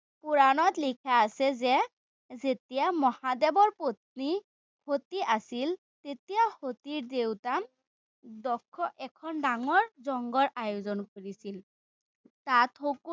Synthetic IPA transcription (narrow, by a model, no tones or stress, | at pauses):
puɹanɔtlikʰaːsɛzɛ | zetijamɔhadɛbɔɹpot̪̚ni | hotiasil | tetijahotiɹdewtam | dɔkʰːɔʔɛkʰɔndaŋɔɹzɔŋɡɔɹʔajozɔnkoɹisil | tatʰok